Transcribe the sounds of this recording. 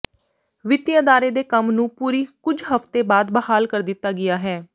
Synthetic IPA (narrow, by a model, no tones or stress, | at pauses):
ʋɪt̪jaːd̪aːɾeːd̪eːkəmnũːpuːɾiːkʊd͡ʒɦəft̪eːbaːd̪bəhaːlkəɾd̪ɪt̪ːaːɡɪjaːɦɛː